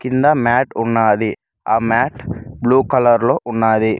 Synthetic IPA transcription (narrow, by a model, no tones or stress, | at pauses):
kind̪ɐmaːʈunːaːd̪i | aːmaːʈbluːkɐlɐɾloːʔunːaːd̪i